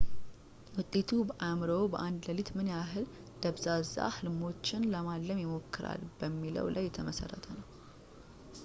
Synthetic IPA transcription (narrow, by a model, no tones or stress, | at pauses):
wʊt̪ʼːe̞t̪ʰubəʔamɾəwbəʔand̪ləlit̪mɨnjaɦɨl | d̪̥əβzaza̰hɨlmo̞t͡ʃːɪnləmalːəmjɛmo̞kːɨɾa̰lbəmːilə̰wlʔajːɛt̪ʰəməsə̰rːə̰t̪ʰənəw